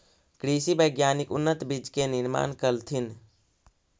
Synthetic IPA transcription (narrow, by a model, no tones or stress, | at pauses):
kɾiːsibəɪɡjaːnɪkʊnːət̪bɪd͡ʒkenɪɾma̰ːnkəlt̪ʰɪn